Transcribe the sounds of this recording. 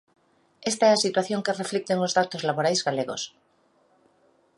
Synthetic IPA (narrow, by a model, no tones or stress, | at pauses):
est̪aɛasit̪waθjoŋkereflik̚t̪eŋozðat̪ozlaβoɾajzɣaleɣo̰s